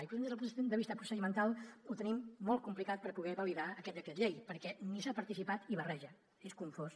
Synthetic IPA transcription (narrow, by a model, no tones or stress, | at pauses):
ipɾenzpd̪əβist̪əpɾusəðimənt̪alˠut̪ənimːɔlˠt̪̚kumplikat̪̚pəɾpuɣɛβəliðaəkɛt̪̚d̪əkɾet̪ʎejpəɾkɛnisapəɾt̪isipat̪iβərɛʒə | eskuɱfos